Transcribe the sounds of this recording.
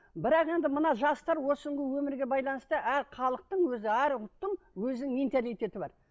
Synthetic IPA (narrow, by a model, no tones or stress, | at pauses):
bɪɾɑqe̞nd̪ɪmənɑʒɑst̪ɑɾwo̞səɴʁəwɵmɪɾɡʲe̞bɑjlˠɑnəst̪əʔæɾχʰɑlˠəq̚t̪əɴwɵzɪæɾʊt̪ːəɴ | wɵzɪnɪŋment̪alijt̪e̞t̪ɪbɑ̰ɾ